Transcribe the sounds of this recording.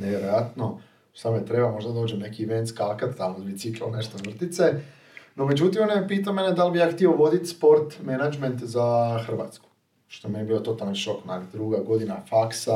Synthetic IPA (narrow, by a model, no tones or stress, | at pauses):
neʋjeɾojat̪no | samojet̪ɾe̞bamo̞ʒd̪ad̪oːd͡ʒemne̞kiʋent̪skakat̪t̪amozbit̪siklone̞ʃt̪oʋr̩t̪it̪se | nome̞d͡ʑut̪imonajepiːt̪̬aome̞ned̪albijaːxt̪ioʋo̞d̪it̪spo̞ɾt̪menad͡ʒment̪zaxr̩ʋa̰t̪sku̥ | ʃt̪oemenebiot̪o̞t̪alanʃo̞knaɡd̪ɾuɡaɡo̞d̪inafaksa